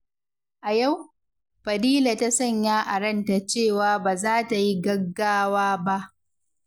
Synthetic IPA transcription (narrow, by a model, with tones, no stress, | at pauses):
ʔa˨ja˦˨w | ɸɐ˨diː˦la˨ta˦sɐ˦˨ɲjaː˦ʔa˨ɾɐ˦nta˨t͡ʃeː˦˨waː˦baː˨zaː˦ta˨ji˦ɡɐ˦ɡːaː˦waː˦ba˦ʔ